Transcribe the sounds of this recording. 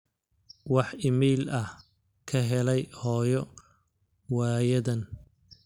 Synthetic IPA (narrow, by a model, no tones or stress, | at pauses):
wɑħɪmɛːlɐh | kʰɐɦɛlɛjhɔːjɔ | waːjɐðɐn